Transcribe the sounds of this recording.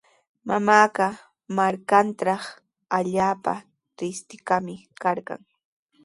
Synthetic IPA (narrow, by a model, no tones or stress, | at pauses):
mamaːɢɑ | maɾkant̪ɾɑχ | aʎaːpa̰ | t̪ɪst̪ɪkamɪkaɾɢɑ̰ŋ